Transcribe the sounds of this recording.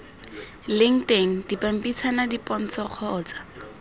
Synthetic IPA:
lɪŋ̩teŋ̩dipam̩pʼit͡sʰanadipʼɔn̩t͡sʰɔq͡χʰɔːt͡sḁ

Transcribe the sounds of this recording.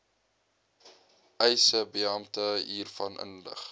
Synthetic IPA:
ɛjsəbiɐmtəɦiːrfɐnʔə̰nlə̰χ

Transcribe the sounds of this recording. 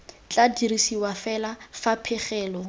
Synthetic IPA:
t͡ɬʼadirisiwafɛlafapʰɪχɛːlɔ

